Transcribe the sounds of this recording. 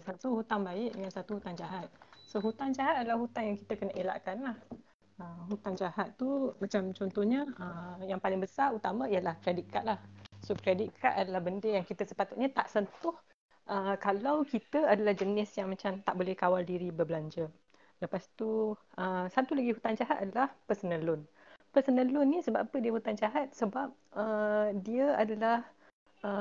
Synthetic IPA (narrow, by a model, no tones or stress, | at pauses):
sat̪uɦut̪aŋbaɪʔ̚dəŋansat̪uhut̪aŋd͡ʒaɦat̪̚soɦut̪aŋd͡ʒaɦat̪̚adalahɦut̪aŋjaŋki̥t̪əkənaʔela̰ʔkanlah | əmɦut̪aŋd͡ʒahat̪ːumãt͡ʃamt͡ʃɔnt̪ɔhɲəəjaŋpalɪŋbəsaut̪amãijəlahkɾedit̪̚kaʔlahsokɾediʔkʰaʔ̪adalahbəndejaŋkit̪əsə̥pat̪ut̪̚ɲat̪aʔsənt̪ʊh | ʔəkalawkit̪əadalahd͡ʒənɪsjaŋmãt͡ʃamt̪aʔbolɛhkawaldiɾibəblaɲd͡ʒə | ləpast̪uʔəsat̪ulaɡiɦut̪and͡ʒaɦat̪̚adalahpəsənə̃lʊn | pəsənə̃lʊnːisəba̰pədiəhut̪and͡ʒaɦat̪̚səbap̚ədiəadalah | ə